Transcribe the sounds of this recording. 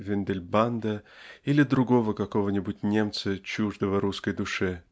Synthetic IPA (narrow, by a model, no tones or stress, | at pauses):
vʲɪnd̪ʲɪlʲband̪əilʲɪd̪ɾʊɡo̞vəkɐkovənʲɪbʊtʲnʲe̞mt̪sət͡ɕuʐd̪əvəɾuskəjd̪ʊʂɨ